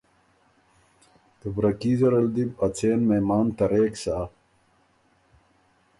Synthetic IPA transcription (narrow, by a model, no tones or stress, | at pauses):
t̪əbɾɐkiːzɐɾɐld̪ibɐt͡sʰeːnmemaːnt̪ɐɾeːksaː